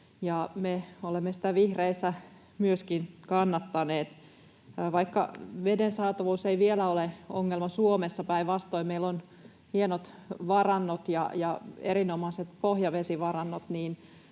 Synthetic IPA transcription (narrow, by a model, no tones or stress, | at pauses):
jɑmeolemːesi̥t̪æʋihreisːæ | myøskinkɑnːɑt̪ːɑneːt̪ː | ʋɑikːɑ̰ʋedensɑːt̪ɑʋuːseiʋielæoleoŋːelmɑsuomesːɑpæiʋʋɑst̪oimeilːon | hienot̪ʋɑrɑnːot̪jɑ̰jɑeɾinomɑset̪pohjɑʋesiʋɑrɑnːot̪niːn